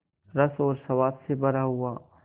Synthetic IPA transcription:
ɾɐsɔːɾsɐʋaːbsebɐɾaɦʊaː

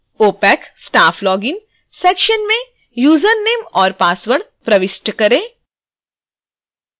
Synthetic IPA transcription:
oːpɛːksʈaːfʰlɔːɡɪn | sɛːkʃənmẽ | juːzəɾneːmɔːɾpaːsʋəɽ | pɾɐʋɪʃʈəkɐɾẽː

